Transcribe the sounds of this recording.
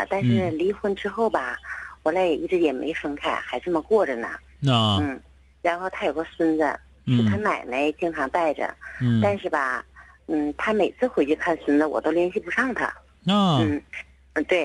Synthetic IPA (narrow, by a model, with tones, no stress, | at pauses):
t̪a˥˧nʂʂɻ̩˥˩li˧˥xwə˧˥˩nʈ͡ʂɻ̩˥xo˥˩ʊbɐ˩wɔ˨˧˥la˧˥ɪjɛ˨˩ʔi˥˩ʈ͡ʂɻ̩˧˥jɛ˨˩mḛ˧˥ɪʂɤ˥ŋkʰa˥˩ɪxa˧˥ɪʈ͡ʂə˥˩mə˩kwɔ˥˩ʈ͡ʂə˩nə̰˩ | n̩˥˩ | ɻa˧˥nxo˥˩ʊt̪ʰa˥jo˨˩ʊə˥˦swə˥nd͡zə̰˧˨ | ɻ̩˥˩t̪ʰa˥na˨˩ɪme˧˥ɪt͡ɕi˥˧ŋʈ͡ʂʰɑ˧˥ŋt̪a˥˩ɪʈ͡ʂə̰˩t̪a˥˧nʂɻ̩˥˩bɐ˩n̩˥˩t̪ʰa˥me˨˩ɪt͡sʰɹ̩˥˩xwe˧˥ɪt͡ɕi˥˧kʰa˥˩nswə˥nd͡zə˨˩wɔ̰˨˩t̪o˥ʊljɛ˧˥nɕi˥˩pu˧˥ʂɑ˥˩ŋt̪ʰa̰˧ | n̩˥˩˧ | t̪we˥˩ɪ